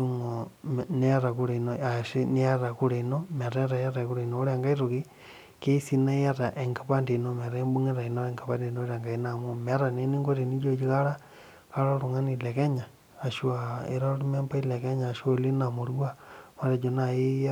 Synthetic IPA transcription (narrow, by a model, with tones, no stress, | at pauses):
u˦ŋone˦a˦ɾa˨ku˦ɾe˨i˨noa˨ʃi˦ni˦a˦ɾa˨ku˦ɾe˨ino˦me˨ɾe˦ɾa˨jaɾa˨ku˦ɾe˨ino˨˦ɾeŋɡa˦iɾo˨ki˦ | ke˦i˦si˦na˦ja˦ɾa˨ʔe˨ŋɡa˨pa˦nde˨no˦me˨ɾe˦mbu˦ŋe˦ɾa˨i˨no˦eŋɡapa˦nde˨no˦ɾa˨ŋɡa˨ina˨mu˦meɾa˨ne˦ni˦ŋɡo˦ɾi˨ni˦d͡ʒo˦d͡ʒi˦kaɾa˦ | ka˦ɾa˦ɾu˨ŋa˦ni˨le˨ke˦ɲaː˨ | ʃwa˨ḛ˦ɾa˦lu˦me˦mba˦i˦leke˦ɲaː˨ʃoli˦na˨mo˨ɾua˦ma˨ɾa˨d͡ʒo˨nai˦